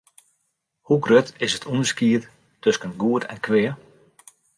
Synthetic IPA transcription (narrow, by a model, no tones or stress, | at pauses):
huɡrøtɪsətʰunəskiət | tøskənɡuətʰɛ̰nkʰʋɪə